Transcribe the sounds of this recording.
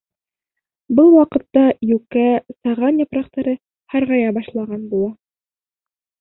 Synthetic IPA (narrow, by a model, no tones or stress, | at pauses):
bɤlˠwɑqɤ̆t̪ːɑjʉkæsɑʁɑnjɤ̆pɾɑq̚t̪ɑɾɤ | hɑɾʁɑjɑbɑʃlˠɑʁɑnbulˠɑ